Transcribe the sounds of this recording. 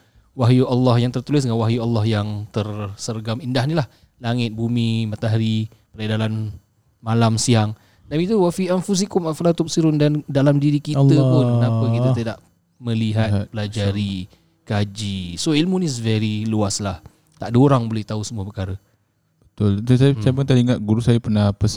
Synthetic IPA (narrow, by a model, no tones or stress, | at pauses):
waɦjualːɑhjaŋt̪ərt̪ulɪsdŋanwaɦjualːahjaŋt̪ərsərɡamindaɦnilah | laŋɪt̪̚bumimãt̪aɦaɾi | pəɾadalan | malamsiaŋ | danit̪uwafianfus̬ikʊmafalat̪ʊp̚siɾʊndandalamdiɾikit̪əpʊnkənapəkit̪at̪ədaʔ | mə̃liɦatbəlad͡ʒaɾi | kad͡ʒisoilmunis̬vɛɾiluaslah | t̪aʔdoɾaŋbolɛht̪ausəmuapəkaɾə | b̥ət̪ʊlt̪usajt͡ʃamənt̪aliŋaʔ̪̚ɡuɾusajapərnahpəs